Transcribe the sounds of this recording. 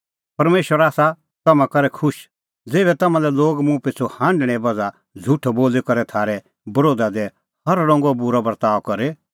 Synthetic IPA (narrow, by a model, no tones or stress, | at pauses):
pɐɾmeːʃwəɾaːsa | t̪ɐmãkɐɾɛkʰʊʃ | d͡zeːβɛt̪ɐmãlɛloːɡmũpɪt͡sʰohãːɳɖɽ̃ɛbɐd͡za | d͡zʱʊʈʰboːlekɐɾɛt̪ʰaːɾɛ | bɐɾoːd̪ad̪ɛ | hɐɾɾɔ̃ːŋɡɔbʊɾabɐɾt̪aːʋkɐɾe